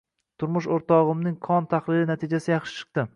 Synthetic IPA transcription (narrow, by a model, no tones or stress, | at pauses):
t̪ʰʊɾmʊʃoɾt̪ɒʁɨmnɪŋkʰɒnt̪ʰaχlɪɾɪnat̪ʰɪd͡ʒasɪjɑχʃɪ̥t͡ʃʰɨ̥q̚t̪ɪ